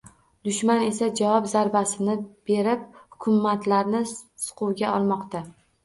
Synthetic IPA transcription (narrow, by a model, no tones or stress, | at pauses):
d̪ʊʃmane̞sad͡ʒavɒpzaɾbasɪnɪb̥e̞ɾɪp̚hʊkʲʰʊmːat̪ʰlaɾnɪsʊ̥qʰʊwɡʲaɒlˠmɒqt̪a